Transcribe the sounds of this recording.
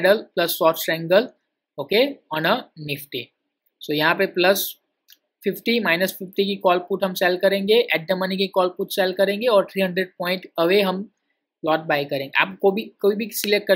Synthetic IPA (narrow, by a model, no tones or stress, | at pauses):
ɖəlplɐsːɔːɾʈsɾɛ̃ːŋɡəl | oːkeɔːnənɪfʈḭ | soːjɐɦãpeplɐs | fɪfʈimaːɪnəsfʰɪfʈikikɔːlpuːʈɦɐ̃msɛlkɐɾẽːŋɡeʔɛːʈ̚ɖəmənikikɔːlpuːʈsɛlkɐɾẽːŋɡeɔːɾt̪ʰɾiːɦɐ̃ɳɖɾeːɖ̚pɔ̃ːɪ̃ɳʈɐʋeɦɐm | plɔːʈ̚baːjkɐɾẽːŋɡḛa̰ːpkobʱikoːibʱisɪleːk̚kɐ